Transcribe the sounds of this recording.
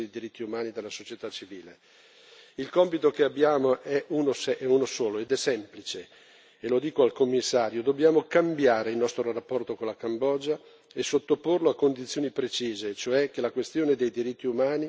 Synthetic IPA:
ed̪id̪iɾit̪ːiumaːnid̪elːasot͡ʃjet̪at͡ʃːiviːle | ilkompit̪okeabːjaːmoʔɛunosɛʔɛunosoːloed̪ɛsɛmplit͡ʃe | elod̪iːkoalkomːisːaːɾjod̪obːjaːmokambjaːɾeilnɔst̪ɾorapːɔrt̪okonlakambɔːd͡ʒa | esot̪ːoporloakːond̪it̪sːjoːnipɾet͡ʃiːzet͡ʃoɛkːelakwest̪joːned̪ejd̪iɾit̪ːiumaːni

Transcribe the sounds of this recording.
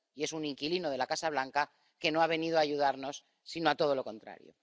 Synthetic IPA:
ie̞suniŋkilinoð̞e̞lakasaβlaŋka | ke̞no̞aβ̞e̞nið̞oaːʝuð̞aɾno̞sː | ino̞at̪o̞ð̞o̞lo̞ko̞nt̪ɾa̰ɾjo̰

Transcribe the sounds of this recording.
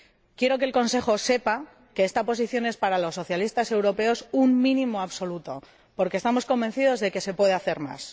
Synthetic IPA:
kje̞ɾo̞kelko̞nse̞χo̞se̞pa | ke̞est̪apo̞s̬iθjo̞ne̞spaɾalo̞sːo̞θjalist̪ase̞wɾo̞pe̞o̞summĩnĩmo̞aβso̞lut̪o̞ | po̞ɾkeːst̪amo̞sko̞mbe̞nθið̞o̞zðe̞ke̞se̞pwe̞ðe̞aθe̞ɾma̰s

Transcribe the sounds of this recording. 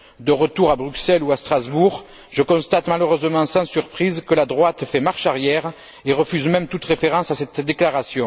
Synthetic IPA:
d̪əʁət̪uʁabʁyksɛluast̪χazbuʁ | ʒəkɔ̃st̪at̪maləʁøzəmɑ̃sɑ̃syʁpχizkəlad̪ʁwat̪fɛmaʁʃaʁjɛʁ | eʁəfyzmɛmt̪ut̪ʁefeʁɑ̃sasɛt̪d̪eklaʁasjɔ̃

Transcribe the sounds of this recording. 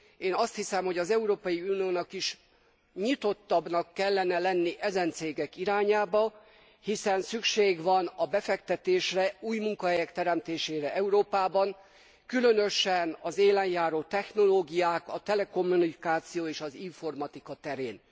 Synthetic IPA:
eːnɒst̪hisɛmho̞ɟɒzɛuɾoːpɒjiunijoːnɒkiʃ | ɲit̪o̞t̪ːɒbnɒkːɛlːɛnɛlɛnːiʔɛzɛnt̪seːɡɛkiɾaːɲaːbɒ | hisɛnsykʃeːɡvɒnɒbɛfɛkt̪ɛt̪eːʃrɛuːjmuŋkɒɦɛjɛkt̪ɛɾɛmt̪eːʃeːɾɛʔɛuɾoːpaːbɒŋ | kylønøʃɛnɒzeːlɛnjaːɾoːt̪ɛxno̞loːɡijaːkɒt̪ɛlɛko̞mːunikaːt̪sijoːeːʃɒziɱfo̞rmɒt̪ikɒt̪ɛɾḛːn

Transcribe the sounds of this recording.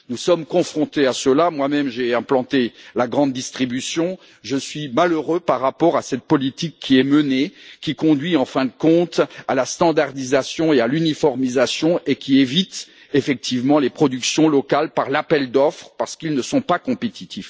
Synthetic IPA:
nusɔmkɔ̃fχɔ̃t̪easəlamwamɛmʒeɛ̃plɑ̃t̪elaɡʁɑ̃d̪̚ːist̪χibysjɔ̃ | ʒəsɥimaløʁøpaʁːapɔʁasɛt̪̚pɔlit̪ikʰːiɛmənekʲikɔ̃d̪ɥiɑ̃fɛ̃d̪əkɔ̃t̪alast̪ɑ̃d̪aʁd̪izasjɔ̃ealynifɔʁmizasjɔ̃ʔekʲievit̪ | efɛk̚t̪ʰivmɑ̃lepχɔd̪yksjɔ̃lɔkalpaʁlapɛld̪ɔfχəpaʁsə̥kilnəsɔ̃pakɔ̃pet̪it̪ʰif

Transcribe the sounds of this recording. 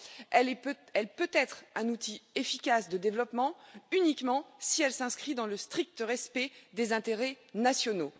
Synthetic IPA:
ɛlɛ | ɛlpøt̪ɛt̪χɛ̃nut̪ʰiefikʲasd̪əd̪evlɔpmɑ̃ynikmɑ̃siɛlsɛ̃skχid̪ɑ̃ləst̪χik̚t̪əʁɛspɛd̪ezɛ̃t̪eʁɛ | nasjɔno

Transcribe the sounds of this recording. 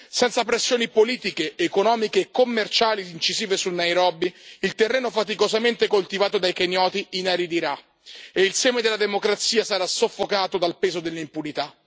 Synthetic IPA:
sɛnt̪sapɾesːjoːnipoliːt̪ikeːkonɔːmikeːkːomːert͡ʃaːliint͡ʃiziːvesunːajɾɔːbiilt̪erːeːnofat̪̬ikozament̪ekolt̪ivaːt̪od̪ajkenjɔːt̪iinaɾid̪iɾa | eilsɛːmed̪elːad̪emokɾat̪siːasaɾasofːokaːt̪od̪alpeːzod̪elːeimpunit̪a

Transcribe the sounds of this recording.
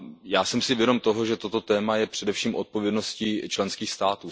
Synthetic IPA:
jaːsɛmsɪvjɛdo̞mt̪o̞ɦoʒɛt̪o̞t̪o̞t̪ɛːmajɛpr̝̥ɛdɛfʃiːmʔot̪̚povjɛdno̞scit͡ʃlɛnskiːxst̪aːt̪uː

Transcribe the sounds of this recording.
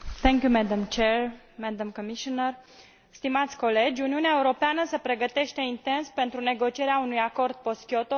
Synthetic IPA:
θɛŋkʲjumɛd̪amt͡ʃeɾ | mɛd̪amkomiʃonər | st̪imat̪sʲko̞le̞d͡ʒʲuniuneaeuɾo̞peanəsepɾe̞ɡət̪e̞ʃt̪e̞int̪e̞nspe̞nt̪ɾune̞ɡo̞t͡ʃie̞ɾeaunujako̞rd̪̚po̞skʲjot̪o

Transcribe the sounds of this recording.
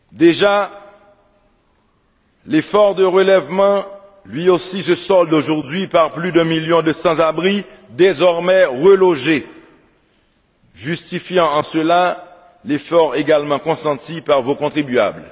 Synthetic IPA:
d̪eʒa | lefɔʁd̪əʁəlɛvmɑ̃ | lɥiosisəsɔld̪oʒuʁd̪ɥipaʁplyd̪ɛ̃miljɔ̃d̪əsɑ̃zabʁi | d̪ezɔʁmɛʁəloʒe | ʒyst̪ifjɑ̃ɑ̃səla | lefɔʁeɡalmɑ̃kɔ̃sɑ̃t̪ipaʁvokɔ̃t̪χibya̰bl

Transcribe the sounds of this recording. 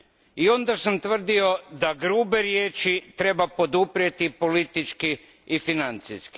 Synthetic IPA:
iond̪asamt̪ʋr̩d̪io̞d̪aɡɾuːbe̞ɾje̞ːt͡ʃit̪ɾe̞bapo̞d̪upɾjet̪ipo̞lit̪it͡ʃki | ifinant̪siski̥

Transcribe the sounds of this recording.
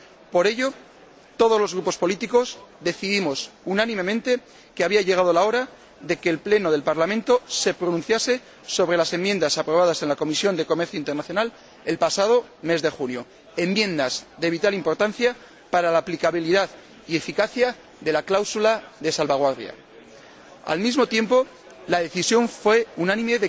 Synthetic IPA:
po̞ɾe̞ʎo̞ | t̪o̞ðo̞zlo̞zɣɾupo̞spo̞lit̪iko̞zðe̞θiðimo̞sunanĩme̞mẽnt̪e̞ | keaβiaʎe̞ɣ̞að̞olao̞ɾa | ðe̞ke̞ːlple̞no̞ðe̞lpaɾlamẽnt̪o̞se̞pɾo̞nũnθjase̞ | so̞βɾe̞lase̞mje̞nd̪asapɾo̞β̞að̞ase̞nlako̞misjo̞nd̪e̞ko̞me̞ɾθjoint̪eɾnaθjo̞nal | e̞lpasað̞o̞ | me̞zðe̞xunjo̞ | e̞mmjẽ̞nd̪az̥ðe̞β̞it̪alimpo̞ɾt̪anθja | paɾalaːplikaβ̞iliðað | ie̞fikaθja | ðe̞laklawsulaðe̞salβaɣ̞waɾðja̰ | a̰lmizmo̞t̪je̞mpo̞ | laðe̞θisjo̞ɱfwe̞unãnĩme̞ðe

